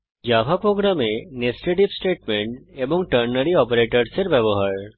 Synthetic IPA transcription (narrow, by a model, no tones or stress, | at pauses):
d͡ʒabʱapɾoːɡɾamenesʈeʈipsʈeːʈmẽɳʈebɔŋʈəɾnəɾiɔːpeɾeʈəɾseɾbjɐbɔɦəɾ